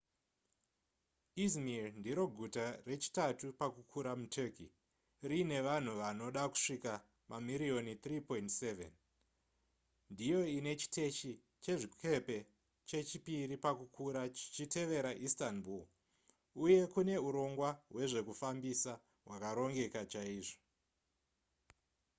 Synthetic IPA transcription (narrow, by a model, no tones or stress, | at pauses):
izmirndiɾo̞ɡʱutare̞t͡ʃi̥tatupakukʰuɾamutʰeki | rine̞ʋan̤uʋano̞ɗaku̥ʂika | mamiɾio̞nit̪ripo̞intsevḛn | ndijo̞ine̞t͡ʃi̥tʰe̞ʃi | t͡ʃe̞ʐikʰe̞pe̞ | t͡ʃe̞t͡ʃipiɾipakukʰuɾait͡ʃite̞ʋe̞ɾaʔistanbul | uje̞kune̞uɾo̞ŋɡwawe̞ʐe̞kufambisa | ɦwakaɾo̞ŋɡe̞kat͡ʃaiːʐo̥